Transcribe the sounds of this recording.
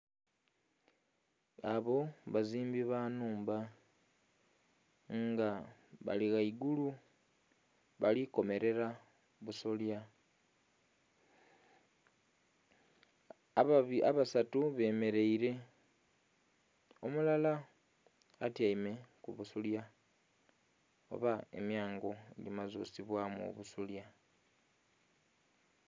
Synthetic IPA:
aβo̞βaziːmbiβanuːmba | ŋɡaβa̰liɣaiɡulu | βaliko̞me̞ɾe̞ɾa | βusolja | iaβasatuβe̞ːme̞ɾe̞iɾe̞ | omulalaː | tjaime̞kuβusulja | o̰βae̞̰mjaːŋɡo̞ḛlimazṵːsiβwamṵβusulja

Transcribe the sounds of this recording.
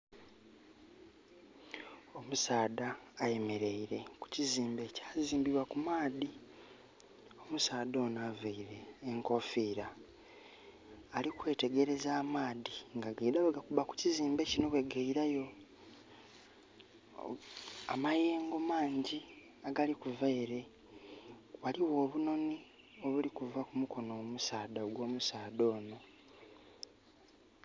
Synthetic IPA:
o̞musaːdaːje̞me̞ɾe̞iɾe̞ku̥ciziːmbe̞ːcḁːziːmbiβwakumaːði | o̞musaːdo̞ːnavaiɾe̞ːŋko̞fiːɾa | likwe̞ːte̞ɡe̞ɾe̞zaːmaːðiŋɡaɡaidaβeɡakuβaku̥ciziːmbe̞cinokweɡaiɾajo̞ | amajeːŋɡomaːɲɟi | aɡalikuvaiɾe̞ | waliwo̞ːβuno̞ni | o̞βulikuvakumuko̞noːmusaːd̪aɡwo̞ːmusaːd̪o̞ːno

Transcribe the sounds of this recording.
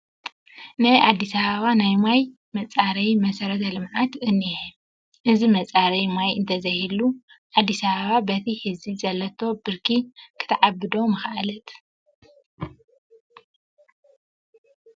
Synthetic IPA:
najʔad̪ːisɐβɐβanajmaj | mɐt͡sʼaɾɐjmɐsɐɾɐt̪ʰɐlɨmʕat̪ʔɨnːiħ | ʔɨzimɐt͡sʼaɾɐjmajɨnt̪ʰɐzɐhilu | ʕad̪ːisɐβɐβabɐt̪ʰihɨzizɐlːɐt̪ʰo̞bɨɾkʰikʰɨ̥t̪ʰɐʕabːɨd̪omɐxʔalɐt̪

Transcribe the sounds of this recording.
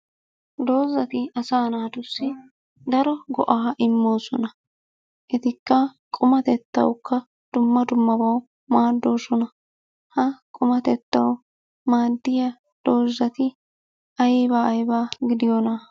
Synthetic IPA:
d̪o̞ːzːɐt̪ɪɐsaːnaːd̪ʊsːɪ | d̪ɐɾɔɡɔ̰ʔaːʔɪmːo̞ːsɔnɐ | ʔɛt̪ɪkːɐkʼʊmɐt̪ɛt̪ːɐ̰wkːɐ | d̪̥ʊmːɐd̪ʊmːɐbɐw | maːd̪ːoːsɔnɐ | hɐkʼʊmɐt̪ɛt̪ːɐw | maːd̪ːɪjɐ | d̪̥o̞ːzːɐt̪ɪ | ʔɐjbaːɐjbaːɡɪd̪ɪjɔnɐ

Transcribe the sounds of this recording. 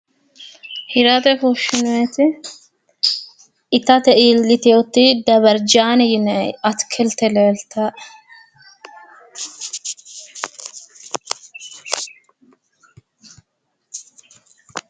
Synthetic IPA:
hɪɾɐt̪ɛfuʃɪneːt̪ɪ | ɪt̪ɐt̪ɛʔilːɪt̪ɛot̪ːid̪ɐbɐɾd͡ʒaːnɪjɪnjɐt̪kʰɛlt̪ɛleːlt̪ːɐ

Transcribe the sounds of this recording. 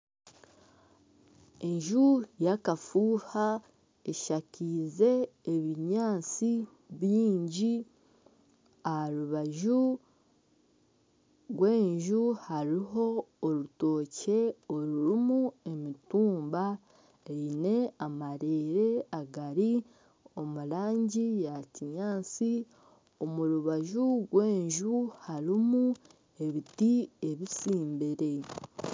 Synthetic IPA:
e̞ɲʒujakafuːha | eʃaciːze̞ːβiɲaːt͡si | βiːɲɟi | ahaɾuβaʒu | ɡwe̞ːɲʒuhaɾiɦo̞ːɾuto̞ːce̞oɾuɾimue̞mituːmba | eine̞amaɾeɾe̞aɡaɾi | o̞muɾaːɲɟijaciɲaːsi | o̞muɾuβaʒuɡwe̞ːɲʒuhaɾimu | e̞βitie̞βisiːmbeɾe̞

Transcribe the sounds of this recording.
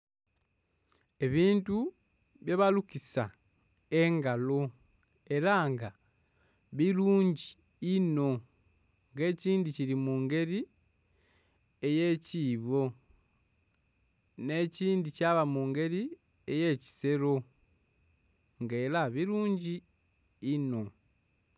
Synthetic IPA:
e̞βiːntu | βjeβalukisa | e̞ŋɡalo̞ | e̞ɾaŋɡa | βiluːɲɟi | ino̞ | ŋɡe̞ːciːndiciɾimuːŋɡe̞ɾi | eje̞ciːβo̞ | ne̞ciːndicaβamuŋɡe̞ɾi | ejeci̥se̞ɾo̞ | ŋɡelaβiɾuːɲɟiː | no̞

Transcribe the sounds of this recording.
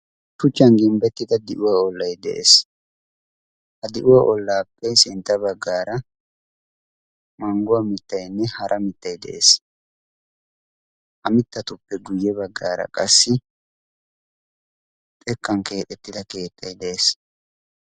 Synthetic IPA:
tʊt͡ʃːɐnɡɪmbɛt̪ːɪd̪ɐd̪ɪʔʊwaːɔlːɐjd̪ɛ̰ʔḛːs | hɐd̪ɪʔʊwaʔɔlːaːpːɛsɪnt̪ːɐbɐɡːaːɾɐ | mɐŋɡʊwɐmɪt̪ːɐjnːɛhɐɾʔɐmɪt̪ːɐjd̪ɛ̰ʔḛːs | ʔɐmɪt̪ːɐt̪ʊpːɛɡʊjːɛbɐɡːaːɾɐ̰kʼɐsːɪ | t̪ʼɛkːɐŋke̞ːt̪ʼɛt̪ːɪd̪ɐke̞ːt̪ːɐjd̪ɛʔeːs

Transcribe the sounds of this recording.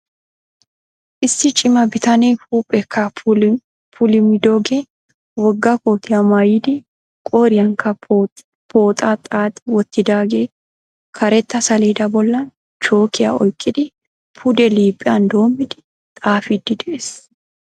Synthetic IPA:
ʔɪsːɪt͡ʃʼɪmɐbɪt̪ɐneːhuːpʼːɛkʰːɐ | pʰʊlɪmɪd̪oːɡe | wɔɡːɐkoːt̪ɪjɐmɐjɪd̪ɪ | kʼoːɾɪjɐŋkɐ | pʰo̞ːt̪ʼat̪ʼaːt̪ʼːɪwɔt̪ːɪd̪aːɡeː | kʰɐɾɛt̪ːɐsɐleːd̪ɐbɔlːɐn | t͡ʃo̞ːkɪja̰ɔjkʼːɪd̪ɪ | pʰʊd̪ɛliːpʼːɪjɐnd̪o̞ːmːɪd̪ɪ | t̪ʼaːfid̪ːɪd̪ɛʔeːs

